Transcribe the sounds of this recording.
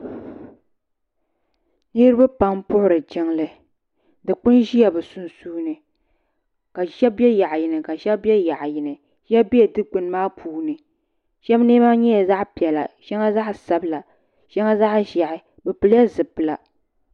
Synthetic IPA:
nɨ˦ɾɨ˦ba˦pa˦ŋpʊ˦ʔʊ˦ɾɨ˨d͡ʒɪ˦ŋlɨ˦ | dɨ˨k͡pʊ˦nʒi˦ja˨bɛ˨sʊ˨nsuː˦nɨ˨ | ka˨ʒɛ˦bɛ˦ja˨ʔjɪ˨nɨ˨ka˨ʃɛ˦bɛ˦ja˨ʔjɪ˨nɨ˨ | ʒɛ˦bi˦ɛ˨dɨ˦k͡pʊ˨n˦maː˦pʰuː˦nɨ˨ | ʃɛ˦bneː˦ma˦ɲɛ˦ja˨za˦ʔpi˨ɛ˨la̰˨ʃɛ˦ŋa˦za˦ʔsa˦bɨ˦la˨ | ʃɛ˦ŋa˦za˦ʔʒa˨ʔɪ˨ | bɛ˨pɨ˨la˦zɨ˨pɨ˨la˨

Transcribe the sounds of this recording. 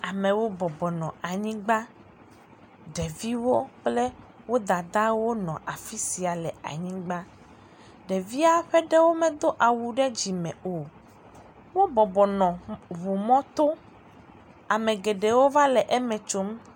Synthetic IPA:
a˨mẽ˨wo˦bɔ˨bɔ˨nɔ̃˨a˨ɲĩ˦ɡ͡ba˦ | ɖɛ˨vi˦wo˦k͡ple˦ | wo˦d̪a˨d̪a˦wo˦nɔ̃˨ʔa˨fi˦si˨a˨lɛ˨a̰˨ɲĩ˦ɡ͡ba˦ | ɖɛ˨vi˦a˦ɸɛ˦ɖɛ˦wo˦mɛ̃˨d̪o˦ʔa˨wu˨ɖɛ˦d͡ʑi˨mɛ̃˨o˨ | wo˦bɔ˨bɔ˨nɔ̃˨βu˨mɔ̃˦t̪o˦ | a˨mẽ˨ɡe˨ɖe˨wo˦va˦lɛ˨ʔɛ˦mɛ̃˨t͡ʃo˦m

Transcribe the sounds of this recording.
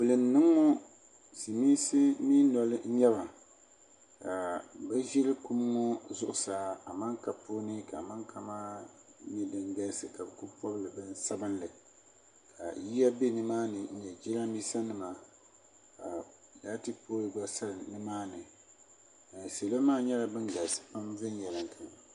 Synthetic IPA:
bɨ˨lɨ˨n˨nɨ˦ŋːɔ˦ | si˨mi˦sɨ˦miː˦nɔ˨lɨ˦ɲɛ˦βa˨ | ka˨bɛ˦ʒɛ˦lɨ˦ku˦m˦ŋɔ˦zʊ˦ʔʊ˨saː˨˦a˨ma˦ŋka˨poː˦nɨ˦ka̰˨ma˦ŋkʰa˦maː˦ɲɛ˦dɨ˨ŋɡa˦sɨ˨ka˨bɨ˨ku˦pɔ˦bɨ˦lɨ˨bɨ˦nsa˦bɨ˦nlɨ˨ | kʰa̰˨ji˦ja˦be˦˨nɨ˦maː˦nɨ˨n̩˦nɛ˨d͡ʒɛ˦la˦miː˦sa˦nɨ˨ma˨ | a˨ | da˦tɨ˦poː˦lɨ˨ɡa˦sa˦lɨ˨nɨ˦maː˦nɨ˨ | se˨la˦maː˦ɲɛ˦la˨bɨ˦ŋɡa˨sɨ̥˨pa˦mvɪ˦njɛ˨lɨ˨ŋkʰa˨n˨

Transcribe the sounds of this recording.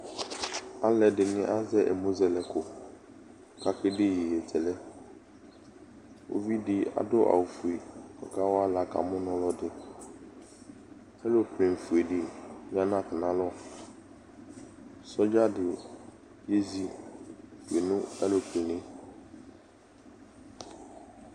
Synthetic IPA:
a˦lɛ˨dɪ˨nɪ̃˦ʔa˦zɛ˦ʔɛ̰˨mo˦zɛ˨lɛ˨kʰʊ˨ | kʰa˨kʰɪ˦dɪ˦jɛ˨jɛ˨tʰɛ˨lɛ˦ | o̰˦vi˦dɪ˨a̰˨dʊ˦ʔa̰˨wʊ˨fu˨e˨kʰɔ̰˨kʰa˦wɔ˦a˦la˨kʰa̰˨mʊ̃˦nʊ̃˦lɔ˦dɪ˦ | ɛ˦lo˨pʰɾɪ̃˨m˨fu˨e˨dɪ˨mɪ̃˦ã˦nã˦˨kʰɪ˨nã˨˦lɔ˦˨ | sɔ˦d͡ʑa˦dɪ˨ | je˦zi˦˨ | fu˨e˨nʊ̃˦ɛ˦lo˨pʰɪ̃˨nɪ̃˦

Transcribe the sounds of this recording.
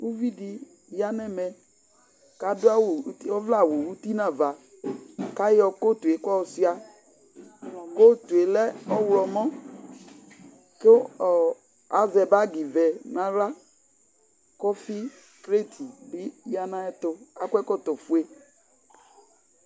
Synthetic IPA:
u˦vi˦di˨ | ja˦nɛ˦mɛ˨ | ka˨dʊ˦a˦wɔ˦vla˦˨wo˨wu˦ti˦nã˨va˨ | ka˦jɔ˧ko˦˨tu˨e˨˦kɔ˦˨si˦a˨ | ɔ˨ko˦tu˨e˨lɛ˦ɔ˦wlɔ˨mɔ̃˦ | ke˦ɔ˨ | a˨zɛ˨ba˦ɡi˨vɛ˨nã˨ɾa˦ | kɔ˦fi˦ | kɾe˦tʰi˨bi˦ja˦nã˦ɛ˦tʊ˧a˦kʷɛ˦kɔ˦tɔ˨fu˨e˦

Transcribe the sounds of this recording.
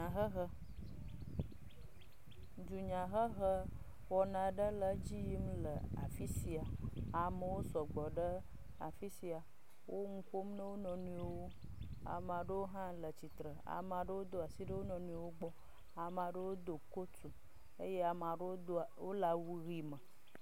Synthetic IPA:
a˨ɦə˦ɦə˦ | d͡ʒu˨ɲã˨ɦə˦ɣə˦ | wɔ˨nã˨ɖə˦lə˦d͡ʑi˦ji˦m˦lə˨a̰˨fi˦si˦a˨a˨mə˦wo˦sɔ˨ɡ͡bɔ˨ɖə˦ | a̰˨fi˦si˦a˨ | wo˦ŋũ˦ɸo˦m˦nə̃˦wo˦nɔ̃˨nũ˦e˦wo˦ | a̰˨m˨a˨ɖə˦wo˦ɦã˦lə˨t͡ɕi˨t̪ɾə˨a̰˨ma˨ɖə˦wo˦d̪o˨a˨si˦ɖə˦wo˦nɔ̃˨nũ˦e˦wo˦ɡ͡bɔ˦ | a˨m˨a˨ɖə˦wo˦d̪o˨ko˦t͡su˨ | e˦je˦a˨m˨a˨ɖə˦wwo˦la˨wu˦ɣi˦mə̃˨

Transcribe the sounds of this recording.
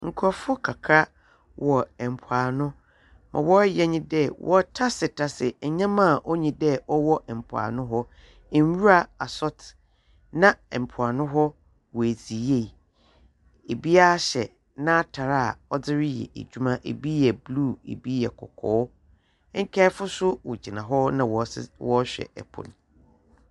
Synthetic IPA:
ŋ̩˨kʰɔ˨fʊ˦kʰa˨kʰa˦ | wɔ˨ɛ˨m̩˨pʰʊ˨aː˨nʊ̃˦ | mʔã̰˨wɔ˦jɛ˦ɲĩ˦dɛ˦wɔ̰˦tʰa˦sɪ˨tʰa˦sɪ˨ɛ˨ɲã˦mã˦˨ʔo˦ɲĩ˨dɛ˦ɔ˦wɔ˦ʔɛ˨m̩˨pʰʊ˨a̰ː˨nʊ̃˦ɦɔ˦˨ | n˦wu˦ɾa˨a˨sɔ˦tʰ | nã˦˨m̩˨pʰʊ˨a˨nʊ̃˦ɦɔ˦ | wɔ˨æ˨zi˨je˦˨ | e˨bi˦a˦ɕɛ˨ | nã˦tʰa˨ɾa˦˨ɔ˦d͡zɪ˦ɾɪ˦jɛ̰˨ʔḛ˨d͡ʑᶣu˦mã˦ʔḛ˨bi˦ɛ˨blu˦˨ḛ˨bi˦ɛ˨kʰɔ̰˨kʰɔː˨˦ | ŋ̩˦kʰɛ˦fʊ˦sʊ˦wɔ̰˨d͡ʑi˨nã˨ɦɔ˦nã˨wɔ˨swɔ˦ɕᶣɛ̰˨ɛ̰˨pʰʊ̰̃˨n˨

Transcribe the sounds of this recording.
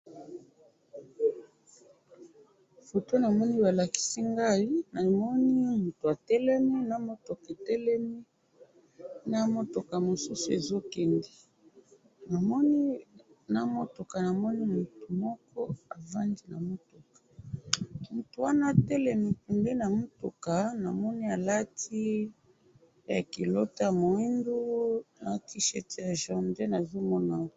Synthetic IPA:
fo˨to˦na˨mɔ˦ni˦ba˨la˨ki̥˦si˦ŋɡa˦i˦na˨mɔ˦ni˦mu˨tu˨a˨tɛ˦lɛ˦mi˦na˦mo˦to˨ke˨tɛ˦lɛ˦mi˦ | na˦mo˦to˨ka˨mo˨su˦su˨e˨zo˦kɛ˨ndi˨ | na˨mɔ˦ni˦na˦mo˦to˨ka˨na˨mɔ˦ni˦mu˨tu˨mɔ˦kɔ˦a˨va˦ndi˦na˨mo˦to˨kḁ˨ | mu˨tu˨wa˦na˦˨tɛ˦lɛ˨mi˨pu˨ndɛ˦na˨mo˦to˨ka˨na˨mɔ˦ni˦a˨la˦tʰi˦ | ja˨ki˨lo˦ta˦˨mo˨i˦ndu˦na˨˦ti˦ʃɛ˦ti˨ja˨ʒɔ˨nde˦na˨zo˦mɔ˦na˨

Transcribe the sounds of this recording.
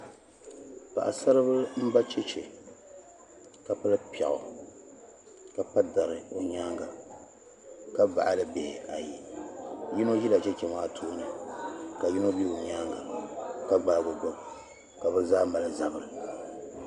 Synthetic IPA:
pa̰˨ʔa̰˨sa˦ɾɨ˦βɨ˦m̩˦ba˦t͡ʃɛ˦t͡ʃɛ˨ | ka˨pa˦lɨ˦pɛ̰˨ʔʊ̰˨ | ka˨pa˦da˨ɾɨ˨o˨ɲa˦ŋɡa˨ | ka˦ba̰˨ʔa˨lɨ˦be˨ha˨ji˨ | ji˦no˦d͡ʒi˦la˨t͡ʃɛ˦t͡ʃɛ˨ma˦tʰoː˦nɨ˨ka˨ji˦no˦bi˦o˨ɲa˦ŋɡa̰˨ka˦ɡ͡ba˨lɡʊ˨ɡo˨ | ka˨bɨ˦zaː˦ma˨lɨ˨za˨bɨ˨ɾɨ˨

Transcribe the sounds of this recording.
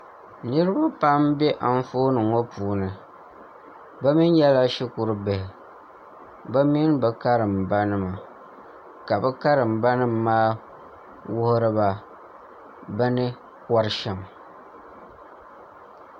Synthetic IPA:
nɨ˦ɾɨ˦ba˦pa˦mbɛ˦ʔa˨n̩˦foː˦nɨ˨ŋo˦puː˨˦nɨ˨ | bɛ˦mi˦n˦jɛ˦la˦ʃi˦ku˨ɾɨ˦bɛ˨hɪ˨ | bɛ˦mi˦nbɛ˨ka˦ɾɨ˨mba˦nɨ˦ma˨ | ka˨bɛ˦ka˦ɾɨ˨m̩ba˦nɨ˦mː˦aː˦ | wʊ˦hʊ˦ɾɨ˦ba˨ | bɛ˦nɨ˦ | kɔ˦ɾɨ˦ʃɛ˨m

